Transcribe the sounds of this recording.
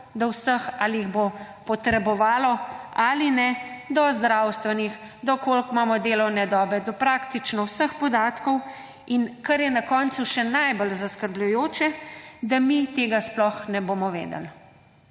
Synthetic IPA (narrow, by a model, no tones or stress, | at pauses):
d̪ɔwsəxaːlijiɣbo | pɔt̪ɾɛbɔʋaːlɔalinɛd̪ɔzd̪ɾawst̪ʋɛnix | d̪ɔkolkmaːmɔd̪eːlɔwnɛd̪ɔːbɛd̪ɔpɾaːkt̪it͡ʃnɔwsəxpɔd̪aːt̪kɔw | inkɐɾjɛnakɔnt̪suʃɛnajbəlzaskəɾblujoːt͡ʃɛd̪amit̪eːɡasplɔxnɛboːmɔʋḛːd̪ɛ̰l